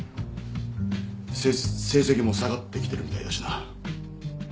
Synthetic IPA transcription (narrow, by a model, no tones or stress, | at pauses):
se̞ːse̞kʲimo̞saɡat̪ːekʲi̥t̪e̞ɾɯ̟mʲit̪a̰id̪aɕi̥na